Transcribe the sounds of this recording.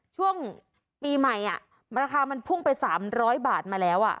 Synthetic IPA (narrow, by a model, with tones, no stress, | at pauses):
t͡ɕʰu˥˩əŋ | piː˧ma˨˩jʔa˨˩ | ɾaː˧kʰaː˧ma˧npʰu˥˩ŋpa˧jsaː˩˦mɾɔː˦˥jbaː˨˩t̪̚maː˧lɛː˦˥wʔa̰˨˩ʔ